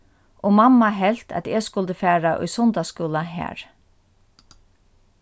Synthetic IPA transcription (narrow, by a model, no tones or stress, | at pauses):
ʔɔmamːaɦɛl̥t̪ʰæ̰t̪ɛːskʊlt̪əfæːɹaʔʊ̰jsʊnt̪askuːlaɦæ̰ːɹ